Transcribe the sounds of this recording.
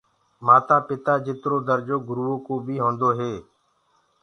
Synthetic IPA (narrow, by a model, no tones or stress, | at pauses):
maːt̪aːpɪt̪aːd͡ʒɪt̪ɾoːd̪əɾd͡ʒoːɡʊɾuːõːkoːbʱiːɦõːnd̪oːɦeː